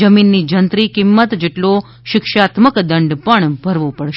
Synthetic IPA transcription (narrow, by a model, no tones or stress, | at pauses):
əminːid͡ʒənt̪ɾikɪmːət̪d͡ʒeʈlo | ʃɪkʃat̪məkd̪əɳɖpəɳbʱəɾʋopəɽʃ